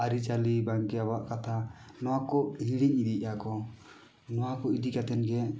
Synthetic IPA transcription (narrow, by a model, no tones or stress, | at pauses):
aɾit͡ʃalibaŋkɛabaʔkat̪ʰa | nɔwakɔhiɽiɲid̪iakɔ | nɔwakɔid̪ikat̪ɛnɡɛ